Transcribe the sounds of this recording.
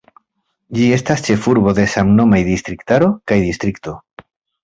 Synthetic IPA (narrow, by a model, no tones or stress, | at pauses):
d͡ʒie̞stast͡ʃe̞fuɾbo̞de̞samno̞majd̪ist̪ɾiktaɾo̞kajdist̪ɾikto̞